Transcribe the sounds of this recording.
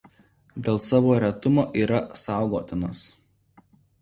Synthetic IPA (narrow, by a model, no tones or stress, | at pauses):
d̪ʲeːlˠsɑːʋoːɾʲɛt̪ʊmoːʔiːɾɐsɑˑʊɡoːt̪ʲɪnɐs